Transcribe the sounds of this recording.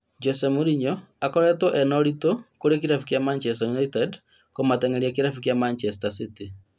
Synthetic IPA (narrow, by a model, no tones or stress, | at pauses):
d͡ʒɔsɛmuɾiɲɔakɔɾɛtɔʔɛnɔɾitokoɾekiɾafukjamant͡ʃɛstajunaitɛd | komatɛŋeɾiakiɾafukjamant͡ʃɛstasiti